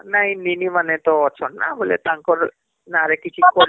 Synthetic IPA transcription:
naɦininimanet̪ɔɔt͡ʃʰɔnːa̰bʱolḛt̪aŋkɔɾ | naɾekit͡ʃʰikɔɾ

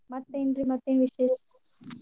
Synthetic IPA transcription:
mɐt̪ːɐɪndrimɐt̪ːenʋɪʂɐjɪɾɯkːu

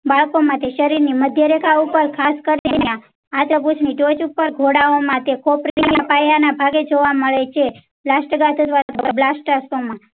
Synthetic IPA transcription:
baɭkomãt̪ʰeʃəɾiɾniməd̪ʱjəɾekʰaupəɾkʰaskəɾnenjã | at̪ɾəput͡ʃʰniʈot͡ʃupːəɾɡʱoɽaomãt̪ekopɾeapajanabʱaɡed͡ʒoʋaməɭet͡ʃʰe | blasʈəɡat̪od̪ʋaɾat̪ʰəablasʈasomã

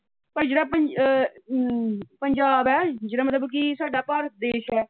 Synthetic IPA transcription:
pəɾd͡ʒeːɽaːpə | pəɲd͡ʒaːbɛːd͡ʒeːɽaːmət̪ləbk̬ɪsaːɖaːpaːɾəd̪eːʃɛː

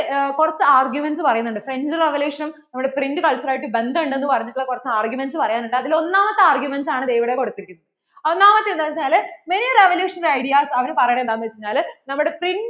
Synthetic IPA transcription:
kurɐt͡ɕːɨaːrɡjumensɨpɐrɐjunːuɳɖɨfre̞ɲd͡ʑɨreʋeljuːʂɐnum | nɐmːuɽe̞prindɨkɐlt͡ɕɐraːjiʈːɨbe̞nd̪ɐɳɖe̞nːɨpɐrɐɲːukːɐːɭkurɐt͡ɕːɨaːrɡjumensɨpɐrɐjaːnuɳːʈːɨɐðilo̞nːaːmɐt̪ːeaːrɡjumensaːɳɨd̪e̞jʋiɽeko̞ɽut̪ːiɾikʲunːɐð | onːaːmɐt̪ːend̪ɐt͡ɕɲaːlme̞nireʋɐljuːʂɐnlɐjɽijaːsɐʋɐnɨpɐrɐjnend̪aːnɐʋɐt͡ɕːɲːaːlnɐmːuɽe̞prin

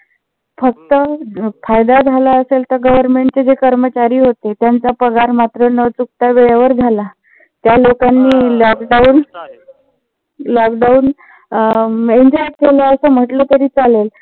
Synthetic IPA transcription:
fək̚t̪əfajd̪ad͡zʱalaəselt̪əɾɡəʋəɾmeɳʈ̚t͡sed͡ʑekəɾmət͡ɕaɾiːɦot̪et̪jant͡sapəɡaɾmat̪ɾənət͡suk̚t̪aʋeɭjaʋəɾd͡zʱala | t̪jalokanːiːlɔkɖauːn | lɔkɖauːn | eɲd͡ʑɔʈkeləəsəm̤əʈlət̪aɾiːt͡salel

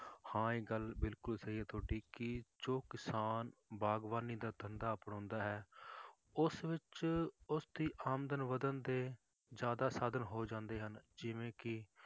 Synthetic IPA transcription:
hãːeːɡəlbɪlkʊlsəɦiːɛːt̪ʰoːʈiːkɪd͡ʒoːkɪsaːnbaːɡʋaːniːd̪aːt̪ənd̪aːəpɳõːnd̪aːɦɛː | ʊsʋɪt͡ʃʊsd̪iːʔaːmd̪ənʋəd̪ənd̪eː | d͡ʒjaːd̪aːsaːd̪ənɦoːd͡ʒãːnd̪eːɦənd͡ʒɪʋẽːkɪ

